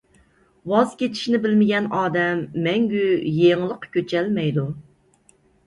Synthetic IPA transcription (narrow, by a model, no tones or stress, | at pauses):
wɑzkʲet͡ʃʰi̥ʃnɪbɪlmɪɡʲɛnɑːd̪ɛmːɛŋɡʲyjeŋlˠəqkʲʰøt͡ʃʰɛlmɛjd̪u